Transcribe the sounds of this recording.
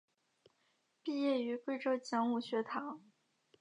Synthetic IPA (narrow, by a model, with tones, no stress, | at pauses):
pi˥˧jɛ˥˩y˧˥kwe˥˧ɪʈ͡ʂɤ˥˩t͡ɕjɑ˧˥ŋu˥˩ɕɥɛ˧˥t̪ʰɑ˧˥ŋ